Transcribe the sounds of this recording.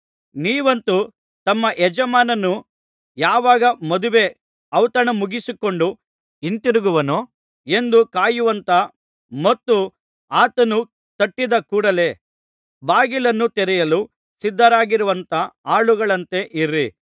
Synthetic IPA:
niːʋɐnt̪u | t̪ɐmːɐʔɛd͡ʒɐmaːnɐnːu | jaːʋaːɡɐmɐd̪uʋe̞ | ɐwt̪ɐnɐmuɡisuko̞ɳɖu | int̪iɾuɡuʋɐno | e̞nd̪ukaːjuʋɐnt̪ɐ | mɐt̪ːu | aːt̪ɐnu | t̪ɐʈːid̪ɐkuːɽɐle̞ | baːɡilɐnːut̪ɛɾɛjɐlu | sid̪ʱːɐɾaːɡiɾuʋɐnt̪ɐaːɭuɡɐɭɐnt̪e̞ʔiɾi

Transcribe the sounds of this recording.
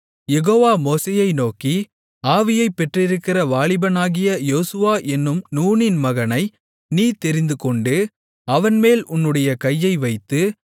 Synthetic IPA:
jɛɣoːʋaːmoːseːjɐɪnoːki | aːʋɪjɐɪpːɛʈrɪɾɯkːɪrɐʋaːɭɪbɐnaːɣɪjɐjoːsɯʋaːʔɛnːɯmnuːnɪnmɐɣɐnɐɪ | niːt̪ɛɾɪnd̪ɯkɔɳɖɯ | ɐʋɐnmeːlʊnːɯɽɐjɐkɐjːɐɪʋɐɪt̪ːɯ

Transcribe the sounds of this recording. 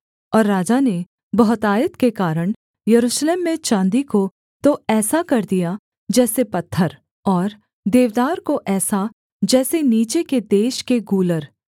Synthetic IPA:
ɔːɾːaːd͡ʒane | bɐɦʊt̪aːjət̪kekaːɾəɽ̃ | jɐɾuːʃleːmːẽt͡ʃãːnd̪iko | t̪oɛːsakɐɾd̪ija | d͡ʒɛːsepɐt̪ʰːəɾ | ɔːɾ | d̪eːʋd̪aːɾkoʔɛːsa | d͡ʒɛːseniːt͡ʃeked̪eːʃkeɡuːləɾ

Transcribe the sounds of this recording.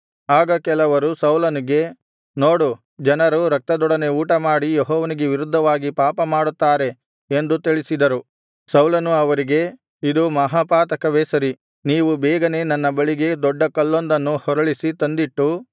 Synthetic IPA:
aːɡɐkɛlɐʋɐɾusɐwlɐniɡe̞ | noːɽu | d͡ʒɐnɐɾuɾɐk̚t̪ɐd̪ɔɽɐne̞uːʈɐmaːɽijeɦɔːʋɐniɡe̞ʋiɾud̪ʱːɐʋaːɡipaːpɐmaːɽut̪ːaːɾe̞ | end̪ut̪iɭisid̪ɐɾu | sɐwlɐnuɐʋɐɾiɡe̞ | id̪umɐɦaːpaːt̪ɐkɐʋɛːsɐɾi | niːʋubɛːɡɐne̞nɐnːɐbɐɭiɡe̞d̪ɔɖːɐkɐlːond̪ɐnːuhɔɾɐɭisit̪ɐnd̪iʈːu

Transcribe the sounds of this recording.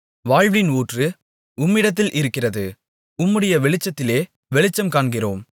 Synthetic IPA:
ʋaːɻʋɪnuːʈrɯ | ʊmːɪɽɐt̪̬ːɪlʔɪɾɯkːɪrɐðɯ | ʊmːɯɽɐjɐʋɛɭɪt͡ʃːɐt̪ːɪleː | ʋɛɭɪt͡ʃːɐmkaːɳɡɪroːm

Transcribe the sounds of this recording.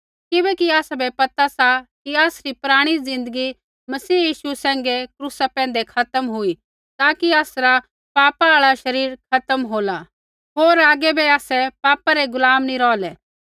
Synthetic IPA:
kɪbɛkiaːsabɛpɐt̪asakiaːsɾipʊɾaːɽ̃izɪ̃nd̪əɡi | mɐsiːjiːsusɛ̃ːŋɡekɾuːsapɛ̃ːnd̪ekʰɐt̪əmɦʊi | t̪aːkiaːsɾa | paːpaaːɭaʃɐɾiːɾkʰɐt̪əmɦoːla | ɦoːɾaːɡɛbɛaːsɛpaːpaɾeɡʊlaːmniɾɔːlɛː

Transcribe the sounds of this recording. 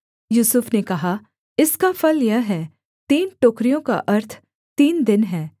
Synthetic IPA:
juːsʊfnekɐɦa | ɪskafɐljɐɦɦɛː | t̪iːnʈoːkɾijõka̰ʔɐɾt̪ʰ | t̪iːnd̪ɪnɦɛː

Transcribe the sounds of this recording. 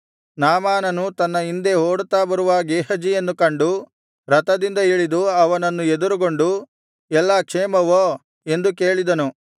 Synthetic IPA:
naːmaːnɐnut̪ɐnːɐind̪e̞ɦoːɽut̪ːaːbɐɾuʋaɡeːhɐd͡ʒijenːukɐɳɖu | ɾɐt̪ɐd̪ind̪ɐiɭid̪uɐʋɐnɐnːued̪uɾuɡo̞ɳɖu | ɛlːakʂeːmɐʋo | e̞nd̪ukeːɭid̪ɐnu

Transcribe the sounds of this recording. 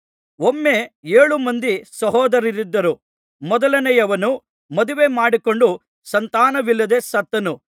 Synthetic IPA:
omːeeːɭumɐnd̪isɐɦɔːd̪ɐɾiɾid̪ːɐɾu | mɔd̪ɐlɐnɛjɐʋɐnu | mɐd̪uʋe̞ːmaːɽiko̞ɳɖu | sɐnt̪aːnɐʋilːɐd̪e̞ːsɐt̪ːɐnu

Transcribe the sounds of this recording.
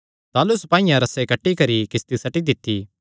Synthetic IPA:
t̪aːlʊspãːɪjãɾɐsekɐʈːikɐɾikɪst̪isɐʈid̪ɪt̪ʰːi

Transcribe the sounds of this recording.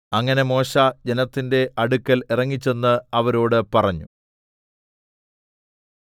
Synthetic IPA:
ɐŋːɐne̞mo̞ːɕad͡ʑe̞nɐt̪ːinde̞ʔɐɽukːɐlirɐŋːit͡ɕːe̞nːɨɐʋɐɾo̞ːɽɨpɐrɐɲːu

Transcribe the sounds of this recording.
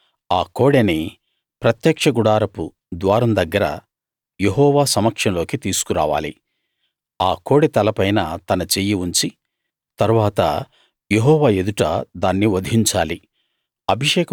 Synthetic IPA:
aːko̞ːɽeni | pɾɐt̪jɐːkʂɐɡuɽaːɾɐpu | d̪ʋaːɾɐmd̪ɐɡːɐɾɐ̰ | je̞ɦɔːʋaːsɐmɐkʂɐnlo̞ːkit̪iːsu̥kuɾa̰ːʋa̰ːli | aːkoːɽet̪ɐlɐpɐjnɐt̪ɐnɐt͡ʃejiuɲt͡ʃi | t̪ɐɾuʋaːt̪ɐ̰ | jeɦɔːʋaːe̞d̪uʈɐ̰d̪aːnːiʋɐd̪ɦiɲt͡ʃaːli | ɐbʱiʂɛːkɐ

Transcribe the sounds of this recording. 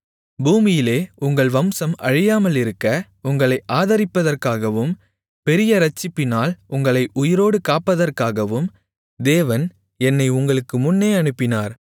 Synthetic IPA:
buːmɪjɪleːʊŋɡɐɭʋɐmsɐmɐɻɪjaːmɐlɪɾɯkːɐ | ʊŋɡɐɭɐɪʔaːðɐɾɪpːɐðɐrkaːɣɐʋɯm | pɛɾɪjɐɾɐt͡ʃːɪpːɪnaːlʊŋɡɐɭɐɪʔʊjɪɾoːɽɯkaːpːɐðɐrkaːɣɐʋɯm | d̪eːʋɐn | ɛnːɐɪʊŋɡɐɭɯkːɯmʊnːeːɐnɯpːɪnaːɾ

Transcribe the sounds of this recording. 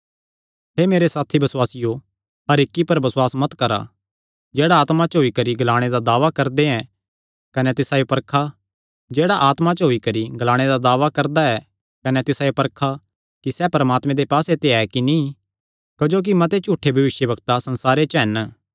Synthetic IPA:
ɦeːmeːɾesaːt̪ʰibɐswaːsɪjo | ɦɐɾɪkːipɐɾbɐswaːsmɐt̪kɐɾa̰ | d͡ʒeːɽaːt̪mat͡ʃɦoikɐɾiɡlaːɽ̃ed̪ad̪aːʋakɐɾd̪eɛ̃ | kɐnɛt̪ɪsaːjopɐɾkʰa | d͡ʒeːɽaʔaːt̪mat͡ʃəɦoikɐɾiɡɐlaːɽ̃ed̪ad̪aːʋakɐɾd̪aɛ | kɐnɛt̪ɪsaːjopɐɾkʰa | kisɛpɐɾəmaːt̪mẽd̪epaːset̪eɛkinĩ | kɐd͡ʒoːk̬imɐ̃t̪̬et͡ʃuːʈʰːebʱɐʋɪʃjəbɐɡt̪asɐ̃nsaːɾet͡ʃɦɛn

